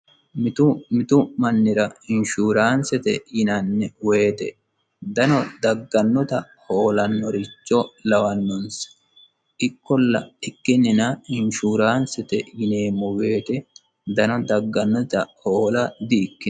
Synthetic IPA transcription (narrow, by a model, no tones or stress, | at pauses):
mɪt̪ʊmɪt̪ʊmɐnːɪɾɐɪnʃuːɾaːnsɛt̪ɛjɪnɐnːɛwe̞ːt̪ɛ | d̪ɐnɔd̪ɐɡːɐnːɔt̪ɐ | ho̞ːlɐnːɔɾɪt͡ʃːɔlɐwɐnːɔns | ʔɪkːɔlːɐɪkːɪnɪnɐɪnʃuːɾaːnsɛt̪ɛjɪneːmːɔweːt̪ɛ | d̪ɐnɔd̪ɐɡːɐnːɔt̪ɐ̰hoːlɐd̪ikːɪ